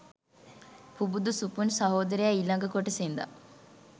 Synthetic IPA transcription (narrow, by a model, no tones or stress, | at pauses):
pubud̪usupunsɐɦoːd̪ɐɾejailɐŋɡəkoʈəsend̪a̰